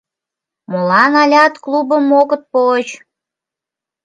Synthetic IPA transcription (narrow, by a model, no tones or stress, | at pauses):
molɑnɑlʲɑt̪klubəmoɣət̪̚pot͡ɕ